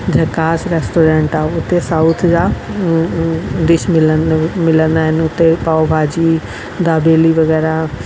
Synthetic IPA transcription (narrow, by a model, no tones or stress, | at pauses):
d͡ʑɐkaːsɾɛːsʈoːɾɛ̃ːɳʈaːʊt̪esaʊt̪ʰd͡ʑa | d̪ɪʃmɪlənmɪlə̃nd̪aːɦɪnɪʊt̪epaːobʱaːd͡ʑiː | d̪aːbeːliʋɐɣɛːɾa